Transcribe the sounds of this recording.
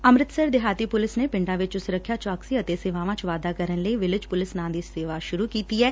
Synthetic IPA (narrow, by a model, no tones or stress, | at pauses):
əmɾɪt̪səɾd̪ɪɦaːt̪iːpʊlɪsnepɪ̃ɳɖãːʋɪt͡ʃsʊɾəkʰːjaːt͡ʃaːksiət̪eseːʋãːʋãːt͡ʃʋaːd̪aːkəɾənləiʋɪlɪd͡ʒpʊlɪsnãːd̪iːseːʋaʃʊɾuːkiːt̪iɦɛː